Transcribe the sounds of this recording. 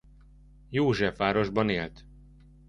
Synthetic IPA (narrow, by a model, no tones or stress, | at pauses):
joːʒɛfaːɾo̞ʒbɒneːlt̪